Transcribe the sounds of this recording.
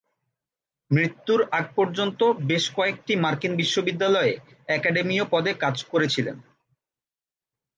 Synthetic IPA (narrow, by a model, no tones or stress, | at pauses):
mɾit̪ːuɾaɡ̚pɔɾd͡ʑont̪obeʃkɔek̚ʈimaɾkinbiʃːobid̪ːalɔe | ɛkaɖemiopɔd̪ekad͡ʑkoɾet͡ɕʰilḛn